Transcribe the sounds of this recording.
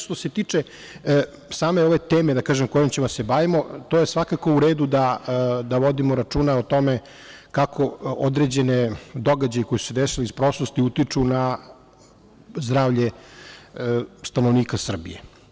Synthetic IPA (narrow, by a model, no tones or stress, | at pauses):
ʃt̪o̞se̞t̪iːt͡ʂe | saːme̞o̞ʋe̞t̪eːme̞d̪akaːʒemkojomt͡ɕemosebaʋimo̞t̪ojesʋakako̞uɾeːd̪ud̪ad̪aʋo̞d̪imo̞ɾat͡ʂuːnaot̪o̞me | kakʰo̞od̪ɾe̞d͡ʑe̞ned̪o̞ɡad͡ʑajiko̞jisu̥sed̪esilispɾo̞slost̪iut̪it͡ʂuna | zd̪ɾaːʋʎe | st̪anoʋniːkasr̩bijḛ